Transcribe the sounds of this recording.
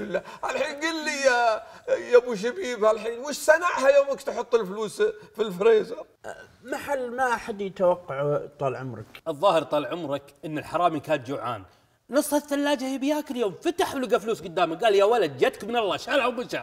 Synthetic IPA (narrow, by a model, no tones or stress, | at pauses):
lːaʕalħiːnɡilːija | jamuʃ̬abiːbʕalħiːnmʊʃsanaʕhajoːmakt̪ħʊt̪ˤːɪlfluːsfilfɾeːzɑ | maħalːmaʔaħad̪jɪt̪awɑqːɑʕt̪ˤɑlʕʊmɾɑ̰kʔɨðˤːɑːhɪɾt̪ˤɑːlʕʊmɾˤɑkʔɪnːɪlħɑɾˤɑːmikaːt̪̚d͡ʒʊʕa̰ːn | nɨsˤːhastːalːaːd͡ʒahibɪjaːkɪljoːmfat̪aħlʊɡafluːsɡʊd̪ːaːmak̚ɡaːljawalad̪̚d͡ʒat̪kmɪnɑlˤːɑːʃaːlʕawmʊʃa